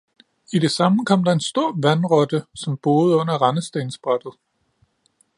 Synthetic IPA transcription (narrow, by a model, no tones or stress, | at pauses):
id̥e̝sɑ̈məkʰɒ̽m̰d̥ɑ̈e̝nsd̥o̝ɐ̰ʋænʁɒ̽d̥əsɒ̽mb̥o̝ːð̩ˠɔ̽n̰ɐʁɑnəsd̥e̝ːnsb̥ʁɑd̥ð̞̩ˠ